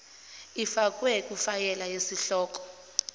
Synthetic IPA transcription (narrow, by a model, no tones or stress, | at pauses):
ifak̬ʼwɛkʼufajɛlajesiɬɔːk̬ʼɔ̥